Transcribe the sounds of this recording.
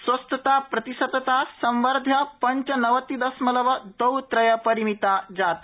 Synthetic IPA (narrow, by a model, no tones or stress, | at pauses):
sʋəst̪ət̪apɾɐt̪isəd̪t̪asə̃mʋəɾd̪ʱjəpəɲt͡ʃənəʋət̪ːid̪əsmələʋəd̪əwt̪ɾɐjəpəɾimit̪ad͡zat̪